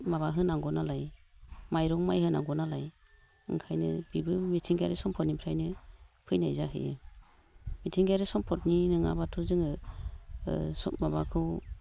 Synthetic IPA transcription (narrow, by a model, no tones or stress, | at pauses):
maβaɦɯnaŋɡɔnalajmajɾɔŋmajhɯnaŋɡɔnalaj | ɯ̰ŋkʰajnɯ̰bibɯmitʰiŋɡaɾisɔmpʰɔtnipʰɾajnɯpʰɯjnajzaɦɯ̰jɯ̰ | mitʰiŋɡajɾisɔmpʰɔtninɯŋa̰batʰuzɯŋɯ | sɔmaβakʰɯw